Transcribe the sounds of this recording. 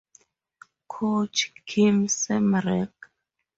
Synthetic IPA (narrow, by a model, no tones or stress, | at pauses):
kʰot͡ʃkʰimsɛmɾɛk